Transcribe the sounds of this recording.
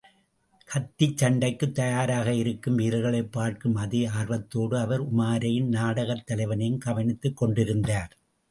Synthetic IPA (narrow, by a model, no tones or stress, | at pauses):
kʰɐt̪ːit͡ʃːɐɳɖɐɪkːɯt̪ːɐjaːɾaːɣɐɪɾɯkːɯmʋiːɾɐɣɐɭɐɪpːaːɾkɯmɐðiaːɾʋɐt̪ːoːɽɯɐʋɐɾʊmaːɾɐjɪnnaːɽɐɣɐt̪ːɐlɐɪʋɐnɐjɯmkɐʋɐnɪt̪ːɯkːɔɳɖɪɾɯnd̪aːɾ